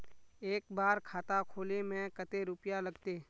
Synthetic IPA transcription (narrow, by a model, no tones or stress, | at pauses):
eːkbaːɾkʰaːt̪akʰoːlemɛ̃ːkət̪eɾʊpjalɐɡt̪eː